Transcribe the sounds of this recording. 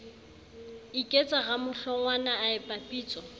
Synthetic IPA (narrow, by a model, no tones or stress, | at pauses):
ikʼet͡sʼaɣamʊɬɔŋwanaːɪpʼapʼiːt͡sʼɔ